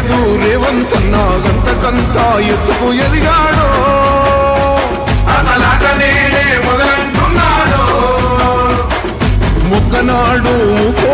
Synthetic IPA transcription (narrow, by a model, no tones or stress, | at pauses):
d̪u | ɾeːʋɐnt̪ɐnːaːɡɐnt̪ɐkɐnt̪aːjet̪ːukujɐlijaːɽoː | ɐsɐlakɐneːlemɐɡɐlɐnʈunːaːɽu | mɔkːɐnaːɽumuko